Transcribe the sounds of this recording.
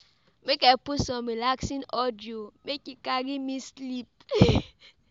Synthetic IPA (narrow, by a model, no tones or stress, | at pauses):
mekapusɔmelaksinɔdiomekikaɡimislip̚